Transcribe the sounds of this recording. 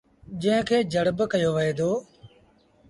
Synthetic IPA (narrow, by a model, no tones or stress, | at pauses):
d͡ʒə̃ɦɪ̃kʰeːd͡ʒʱəɽbkəjoːʋəɦeːd̪oː